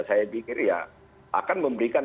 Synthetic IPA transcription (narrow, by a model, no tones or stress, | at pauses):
sajapikɪrja | ʔa̰kanməmbəɾikan